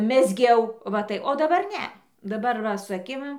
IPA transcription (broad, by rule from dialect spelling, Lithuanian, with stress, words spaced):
mʲɛzʲˈɡʲɛʊ ʋɐ ˈtɐɪ oː dɐˈbɐr ˈnʲɛ dɐˈbɐr ˈʋɐ sʊ ɐˈkʲɪm